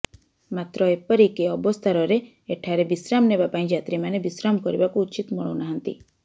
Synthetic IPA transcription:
mat̪ɾɔepəɾikeɔbɔst̪ʰaɾɔɾe | eʈʰaɾebisɾamnebapanĩd͡ʒat̪ɾimanebisɾamkɔɾibakuːt͡ʃit̪mɔɭɔ̰naɦənt̪ḭ

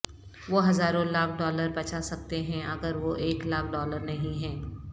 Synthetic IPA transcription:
ʋoɦɐzaːɾõlaːb̚ʰɖɔːləɾpɐt͡ʃʰasɐk̚t̪eɦɛ̃ʔɐɡəɾʋoʔeːklaːb̚ʰɖɔːləɾnɐɦĩɦɛ̃ː

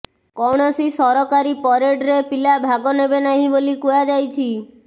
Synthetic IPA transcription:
kɔwɽ̃ɔsisɔɾɔkaɾipɔɾeɖɾepilabʱaɡonebenaɦĩbolikujad͡ʒajt͡ʃʰi

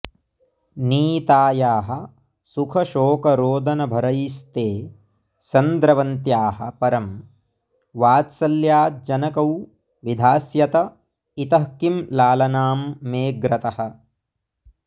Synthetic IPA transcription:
niːt̪aːjaːɦɐ̆ | sukʰɐʃoːkɐɾoːd̪ʱɐnɐbʱɐɾɐjist̪eː | t͡ʃɐnd̪ɾɐʋɐnt̪jaːɦɐ̰̆pɐɾɐm | ʋaːt̪sɐljaːt̪̚d͡ʒɐnɐkɐw | ʋid̪ʱaːsjɐt̪ɐ | it̪ɐɦkimlaːlɐnaːmːeːɡɾɐt̪ɐhɐ̆

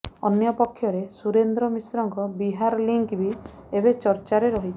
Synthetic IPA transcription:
ɔnjɔpɔkʰːjɔɾesuɾend̪ɾɔmisɾɔŋkɔbiɦaɾliŋkbi | ebet͡ʃɔɾt͡ʃaɾeɾɔɦit͡ʃʰ

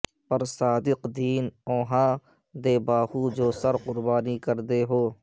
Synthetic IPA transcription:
pɐɾsaːd̪ɪqd̪iːnõːɦãː | d̪eːbaːhud͡ʒoːsɐɾqʊɾbaːnikəɾd̪eɦoː

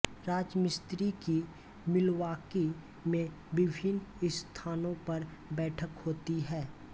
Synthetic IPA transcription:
ɾaːd͡ʒmɪst̪ɾiki | mɪlwaːke | mẽ | bɪbʱɪnɪst̪ʰaːnõpɐɾbɛːʈʰəkhoːt̪iɦɛː

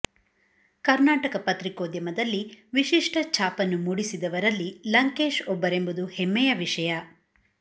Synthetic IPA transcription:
kɐɾnaːʈɐkɐpɐt̪ɾikoːd̪jɐmɐd̪ɐlːiʋiʃiʂʈɐt͡ʃaːpɐnːumuɽisid̪ɐʋɐɾɐlːilɐŋke̞ːʂɔbːɐɾe̞mbud̪uhemːɛjɐʋiʂɐjɐ

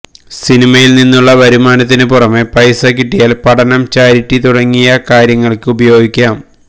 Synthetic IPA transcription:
sinimɐjilninːuɭːɐʋɐɾumaːnɐt̪ːinɨpurɐme̞pɐjsɐkiʈːijaːlpɐʈɐnɐmt͡ɕaːɾiʈːit̪uɽɐŋːijɐkaːɾjɐŋːɐɭkɨubɐjo̞ːɡikʲːaːm

